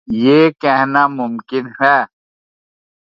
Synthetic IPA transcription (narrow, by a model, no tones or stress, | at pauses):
jeːkɛɦnamʊmkɪnɦɛː